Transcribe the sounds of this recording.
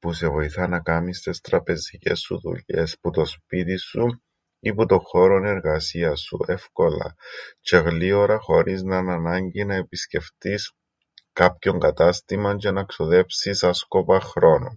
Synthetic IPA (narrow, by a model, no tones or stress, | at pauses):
puse̞vo̞iθɐnɐkɐmist̪e̞st̪ɾɐpe̞zice̞̰sːṵðṵʎe̞sput̪o̞spit̪isu | iput̪o̞xo̞ɾo̞ne̞ɾɣɐsiɐsːṵe̞fko̞lɐ̰t͡ʃe̞ɣlioɾɐxo̞ɾiznɐnɐnɐɲɟinɐepisce̞ft̪is | kɐpço̞ŋɡɐt̪ɐst̪imɐnd͡ʒe̞nɐksoðe̞psisɐsko̞pɐxɾo̞no̰n